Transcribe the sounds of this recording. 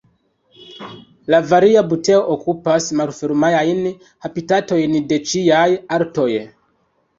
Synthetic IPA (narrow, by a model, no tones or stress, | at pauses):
lavaɾiabuteoʔokupasmalfeɾmajajn | kapitato̞jnde̞t͡ʃiajaɾto̞j